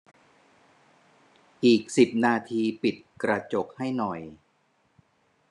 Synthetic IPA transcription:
ʔiː˨˩k̚si˨˩p̚naː˧t̪ʰiː˧pi˨˩t̪̚kɾa˧t͡ɕo˨˩k̚ha˥˩jnɔ˨˩j

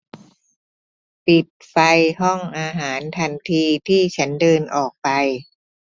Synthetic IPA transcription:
pi˨˩t̪̚fa˧jɦɔ˥˩ŋʔaː˧ɦaː˩˦nt̪ʰa˧nt̪ʰiː˧t̪ʰiː˥˩t͡ɕʰa˦˥ndɤː˧nʔɔː˨˩k̚pa˧j

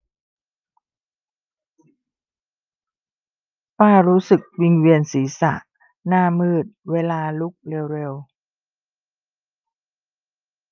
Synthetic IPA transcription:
paː˧˩ɾuː˦˥sɯ˨˩k̚wi˧ŋwi˧ənsiː˩˦sa̰˨˩ʔ | naː˧mɯː˨˩t̪̚weː˧laː˧lu˦˥k̚ɾe˧wɾe˧w

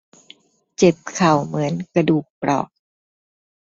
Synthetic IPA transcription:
t͡ɕe˨˩p̚kʰa˨˩wmɯ˩˦ənkɾa˧duː˨˩k̚pɾʔɔ̰ː˨˩k̚

